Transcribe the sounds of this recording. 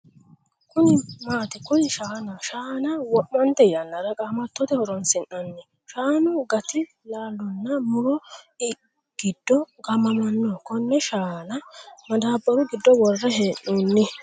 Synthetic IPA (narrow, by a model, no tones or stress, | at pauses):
kʊnɪmaːt̪ɪkʊjɪʃaːnɐʃaːnɐwɔʔmɐnt̪ɛjɐnːɐɾɐkʼamɐt̪ːɔt̪ɛhɔɾɔnsɪnːɐnːɪ | ʃaːnʊɡɐt̪ɪ | laːlːʊnːɐmʊɾɔɪ | ɡ̥ɪd̪̥ːɔɡɐmɐmɐnːɔkɔnːɛʃaːnɐmɐd̪aːbːɐɾʊɡɪd̪ːɔwɔrːɐɦeːnːunːɪ